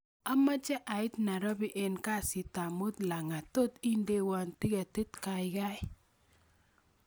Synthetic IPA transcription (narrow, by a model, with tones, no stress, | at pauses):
a˦ma˦d͡ʒɛ˦ʔa˨ɪ˦t̪na˨ɾɔ˦bi˦ʔe˨nka˦˨sɪ˨ta˨mo˦t̪la˨ŋa˨t̪o˦t̪i˦nde˦wa˨ntɪ˦ɡa˨tɪ˦t̪ka˨ɪ˨ɡa˦ɪ˦